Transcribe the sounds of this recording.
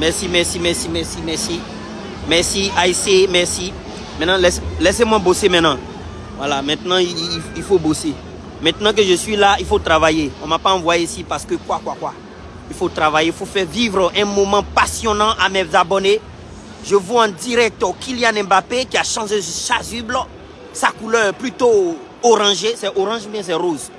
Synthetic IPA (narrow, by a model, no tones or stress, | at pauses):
mɛʁsimɛsimɛsimɛsimɛsi | mɛsiaisemɛsi | mɛ̃nãlɛslɛsemwãbosemɛ̃nã | vwalamɛ̃t̪nãiilfobose | mɛ̃t̪nãk̬øʒəsɥilailfot̪ɾavajeɔ̃mapãvwajesipasə̥køkwakwakwa | ilfot̪ʁavajeifofɛʁvivʁəʔɛ̃mɔmɑ̃pasjɔnɑ̃ʔamɛzabɔne | ʒəvɔãd̪iʁɛk̚t̪ɔkiljanɛ̃bapekiaʃɑ̃ʒeʃazybl | sakulœʁɛplyt̪o | oʁɑ̃ʒesɛʔoʁɑ̃ʒbjɛ̃s̬ɛʁoz